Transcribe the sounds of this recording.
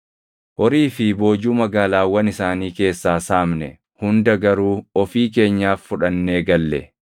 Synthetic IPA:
ʔɔɾiːfɪbo̞ːd͡ʒuːmɐɡaːlaːwɐnɪsaːniːke̞ːsːaːsaːmnɛ | hʊnd̪ɐɡɐɾuːɔfiːke̞ːɲːaːfːʊᶑɐnːe̞ːɡɐlːɛ

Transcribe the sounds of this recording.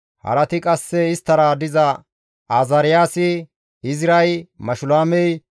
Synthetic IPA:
hɐ̰ɾɐt̪ɪkʼɐsːɛɪst̪ːɐɾad̪ɪzɐ | aːzɐɾɪjaːsɪ | ɪzɾɐjmɐʃʊlaːmɛj

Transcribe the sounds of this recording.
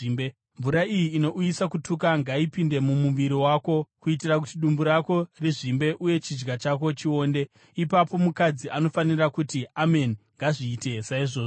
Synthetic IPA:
me | mvuɾaijiːno̞ʔujisakutʰukaŋɡaipinde̞mumuʋiɾiwaːko̞kuit̬irak̬utiɗumbuɾako̞riʐimbe̞ʔuje̞t͡ʃid͡ʒɡat͡ʃak̬o̞t͡ʃio̞ːnde̞ | ipapo̞mukad͡ziʔano̞fanirakutiame̞niŋɡaʐiːte̞saiʐoːʐo

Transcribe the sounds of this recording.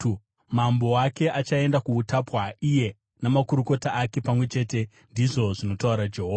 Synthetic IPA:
mambo̞ake̞ʔat͡ʃae̞ndakuutapwaije̞ | namakuɾuko̞taːke̞pamwe̞t͡ʃe̞te̞ | ndiʐo̞ʐino̞tauɾad͡ʒeɦoːa

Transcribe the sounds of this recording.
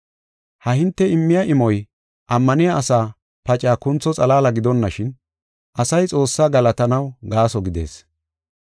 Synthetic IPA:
hɐhɪnt̪ːɛɪmːɪjaʔɪmɔj | ʔɐmːɐnɪjaʔːsaː | pɐt͡ʃʼːaːkʊnt͡sːɔt͡sʼɐlaːlɐɡɪd̪ɔnːɐʃɪn | ʔɐsɐjt͡sʼo̞ːsːaːɡɐlɐt̪ɐnɐwɡaːsɔɡɪd̪e̞̰ːs

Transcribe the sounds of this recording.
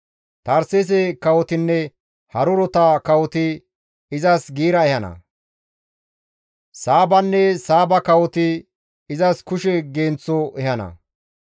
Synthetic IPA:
t̪ɐɾses̬ɛkɐwɔt̪ɪnːɛ | hɐɾʊɾɔt̪ɐkɐwɔt̪ɪ | ɪzɐsɡiːɾɐɛhɐnɐ̰ | saːbɐnːɛsaːbɐkɐwɔt̪ɪ | ɪzɐskʊʃɛɡeːnt͡sːɔʔɛhɐnɐ̰

